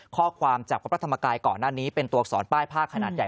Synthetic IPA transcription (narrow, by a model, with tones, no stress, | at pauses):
kʰɔː˥˩kʰwaː˧mt͡ɕaː˨˩p̚ɾa˦˥pɾa˦˥t̪ʰa˧mːaː˧kaː˧jkɔː˨˩nːaː˥˩niː˦˥pe˧nt̪u˧ɐsɔ̰ː˩˦npaː˥˩jpʰaː˥˩kʰːa˧naː˨˩t̪̚ja˨˩